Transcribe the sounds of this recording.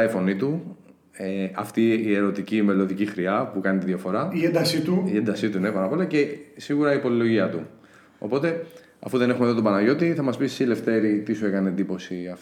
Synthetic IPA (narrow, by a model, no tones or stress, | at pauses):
ɐifo̞nit̪u | eɐft̪iːe̞ɾo̞t̪icime̞lo̞ðicixɾiɐpukɐnit̪iðʝɐfo̞ɾɐiend̪ɐsit̪uiend̪ɐsit̪unepɐnɐpolece̞siɣuɾɐipo̞lilo̞ʝiɐt̪u | o̰po̞t̪e̞ | ɐ̰fuðe̞ne̞xumeðot̪obɐnɐʝo̞t̪iθɐmɐspisːile̞ft̪e̞ɾit̪isue̞kɐneend̪ipo̞siɐf